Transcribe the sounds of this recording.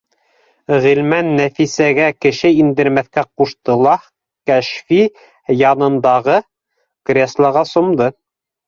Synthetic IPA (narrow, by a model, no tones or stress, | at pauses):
ʁilmænːæfisæɡækɘ̆ʃɘind̪ɘ̆ɾmæθkæquʃt̪ɤ̆lˠɑ | kæʃfi | jɑnɤ̆nd̪ɑʁɤ | krʲeslˠɑʁɑsŏmd̪ɤ